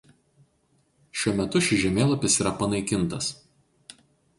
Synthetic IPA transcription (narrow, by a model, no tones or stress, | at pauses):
ʃʲuɔmʲɛt̪ʊʃʲɪʒʲɛmʲeːlˠɐpʲɪsiːɾɐpɐnɐɪkʲɪnt̪ɐs